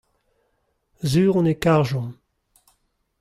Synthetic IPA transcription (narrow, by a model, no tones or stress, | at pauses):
zyːʁɔ̃nekaʁʒɔ̃m